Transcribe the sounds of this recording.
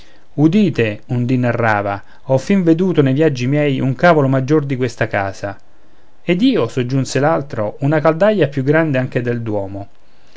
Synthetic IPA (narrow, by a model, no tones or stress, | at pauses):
ud̪iːt̪eund̪inːarːaːva | ɔfːiɱved̪uːt̪onejvjad͡ʒːimjɛjuŋkaːvolomad͡ʒːord̪ikwest̪aka̰ːza | ed̪iːosod͡ʒːunselalt̪ɾounakald̪aʎːapjuɡːɾand̪eaŋk̟ed̪eld̪wɔːmo